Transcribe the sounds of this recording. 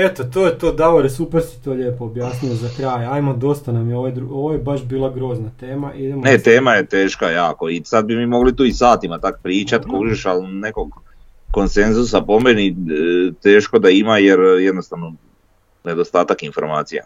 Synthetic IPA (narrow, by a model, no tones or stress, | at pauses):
et̪ot̪oːjet̪oːd̪aoɾesupeɾsi̥t̪oːʎeːpoobjaːsniozakɾaːjaːjmod̪o̞st̪anamjeoʋed̪ɾuoʋojebaʃbiːlˠaɡɾo̞ːznat̪eːmaʔid̪emonet̪eːmaje̞t̪e̞ːʃkajaːko̞isad̪̚bimimo̞ɡlit̪uːisaːt̪imat̪akpɾiːt͡ʃat̪kout͡ʃeʃalne̞ko̞ɡː | o̞nse̞nzus̬apo̞menit̪e̞ːʃko̞d̪aimajeɾjed̪no̞st̪aʋno̞ | ne̞d̪o̞st̪aːt̪akinfo̞ɾmaːt̪sija̰